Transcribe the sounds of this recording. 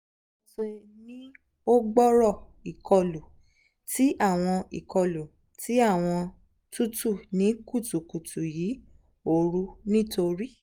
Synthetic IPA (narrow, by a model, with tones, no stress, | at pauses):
so˨nĩ˦ | o˦ɡ͡bɔ˦ɾɔ˦˨i˨kɔ˧lu˨ | ti˨˦ʔa˦˨w̃ɔ̃˧ḭ˨kɔ˧lu˨ | tʰi˨˦a˦˨w̃ɔ̃˧ | tu˦tu˦˨nĩ˨˦ku˦˨tu˨ku˨tu˨jiː˨˦ | o˦˨ɾu˦nĩ˦to˧ɾi˦